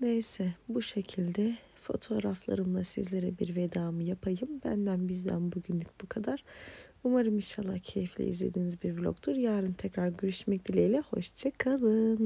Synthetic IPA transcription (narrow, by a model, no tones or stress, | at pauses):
ne̞jsɛbuʃe̞cʰilʲd̪ɛ | fo̞̰t̪ʰo̞ːɾaflˠa̰ɾɯmlˠasḭzlʲe̞ɾɛbiɾve̞d̪aːmɯjapʰajɯmbænd̪ænbizd̪æ̰nbuɟynlʲyc̚bukʰad̪aɾ̥umaɾɯminʃalˠːa̰hcʰe̞jiflʲɛ̰ḭzlʲe̞̰d̪iːnizbiɾblʲo̰kt̪ʰuɾjaːɾɯnt̪ʰɛcɾaɾɟøɾyʃmɛc̚d̪ilʲejlʲɛho̞̰ʃt͡ʃʰakʰalˠɯːn